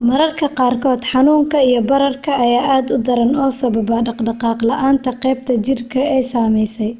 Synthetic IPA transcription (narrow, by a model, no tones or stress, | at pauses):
mɐɾɐrkʰɐqɑːrkʰɔːd̪ħɑnuːŋkʰɐijɞbɐɾɐrkʰɐːjaːʔaːd̪ʊd̪ɐɾɐnɔːsɐβɐbɐɖɑqɖɑqɑːqlɐʔaːnt̪ʰɐqɛjb̚t̪ʰɐt͡ʃɪrkʰɐɛjsaːmɛjsɛj